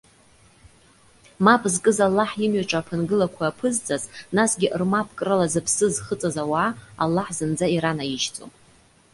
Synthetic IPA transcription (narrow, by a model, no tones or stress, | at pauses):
mapʼzkʼɨzalːaħimɥaʈ͡ʂʼapʰɨnɡɨlakʷʰaːpʰɨzt͡sʼaznasɡʲɪʔrmapʰkʼrɨlazɨpʰsɨzχət͡sʼazawaːa̰lːaħzɨnd͡zaiɾanajiʒt͡sʼo̰m